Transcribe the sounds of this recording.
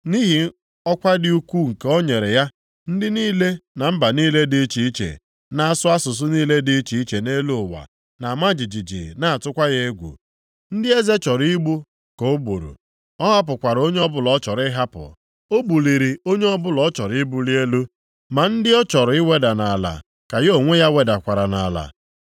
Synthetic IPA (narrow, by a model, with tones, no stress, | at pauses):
ni˦ɦi˨ | ɔ˦kʷa˦dɪ˦u˦kʷu˦ŋ̩˨ke˦o˦ɲe˨ɾe˨ja˦ | n̩˦dɪ˦niː˦le˦na˨m̩˦ba˨niː˦le˦di˦t͡ʃi˨i˦t͡ʃḛ˨ | na˦a˦sʊ˦a˦sʊ˨s̬ʊ˦niː˦le˦di˦t͡ʃi˨i˦t͡ʃe˨ne˦lu˦˨wa̰˨ | na˨ma˦d͡ʒi˨d͡ʒi˨d͡ʒḭ˨na˦a˨tʊ˦kʷa˦ɣe˦e˦ɡʷṵ˨ | n̩˦dɪ˦e˦ze˦t͡ʃɔ˨ɾi˦ɡ͡bu˦ | ko˦bu˨ɾṵ˨ | ɔ˦ɦa˦p̬ʊ˨kʷa˨ɾo˦ɲe˦ɔ˦bʊ˦lɔ˨˦t͡ʃɔ˨ɾɪ˦ɦa˦pʊ̰˨ | o˦bu˨li˨ɾi˨o˦ɲe˦ɔ˦bʊ˦lɔ˨˦t͡ʃɔ˨ɾi˦bu˦li˦e˦lu˦ | ma˨n̩˦dɪ˦ɔ˦t͡ʃɔ˨ɾʊ˨ɪ˦we˦da˨na˨a˨la̰˨ | ka˨jo˨ŋʷe˦ja˦we˨da˨kʷa˨ɾa˨na˨la̰˨